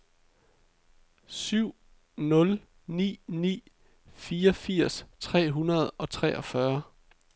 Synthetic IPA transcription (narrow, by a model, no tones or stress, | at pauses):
syʊ̰ | nɔ̽l | nḭːnḭː | fiːɒfiɐ̰st͡sʰʁɛ̰ːɦunɐð̞̩ˠɒ̽t͡sʰʁɛ̰ːʔɒ̽fɶɐ